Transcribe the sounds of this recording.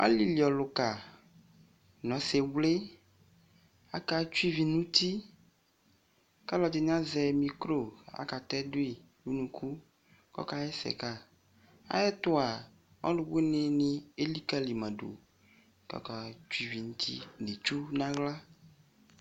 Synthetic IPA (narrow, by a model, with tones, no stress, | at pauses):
a̰˦li˦li˨ɔ˨lo˨ka˨ | nɔ̃˨se˨wle˦ | a˦ka˦t͡ʃu˦i˦vi˨nũ˦t̪i˦ | ka˦lɔ˨d͡ʒe˨ɲ˦ã˦zɛ˨mĩ˨kɾo˦˨a̰˨ka˨t̪ɛ˦do˦i˨ | nu˦nũ˨kʰu˦ | kɔ̰˦ka˦ɛ˦sɛ̰˨ka˦ | a̰˦jɛ˦t̪o˦a˨ | ɔ̰˦lo˨we˦ne˦nĩ˦e˦li˦ka˦li˨mɛ̃˨ɖo̰˨ | kɔ̰˨ka˨t͡ʃu˦i˦vi˨nũ˦t̪ʰḭ˦ɖe˨t͡ʃu˦nã˦ɣla˦